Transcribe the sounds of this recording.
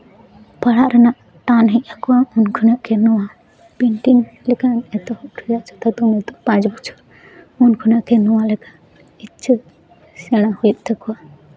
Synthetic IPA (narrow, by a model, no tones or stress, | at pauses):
paɽaʔɾɛnaʔ | ʈanɦɛc̚ˀakɔwaunkʰunaʔkɛnɔwa | biɳʈinlɛkanɛt̪ɔhɔʔɾʰijaʔt͡ʃʰɔ̥t̪at̪umɛt̪ɔpãd͡ʒbɔt͡ʃʰɔ̥ | unkʰunaʔkɛnɔwalɛka | it͡ʃʰːə | sɛɽ̃ahujɛt̪̚ˀt̪ɛkɔwa